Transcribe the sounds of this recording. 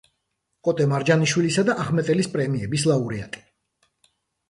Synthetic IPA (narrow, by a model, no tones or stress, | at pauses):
kʼɔt̪ʼɛmaɾd͡ʒaniʃwilisad̪aʔaχmɛt̪ʼɛlispʼɾɛmiɛbislˠauɾɛa̰t̪ʼi̥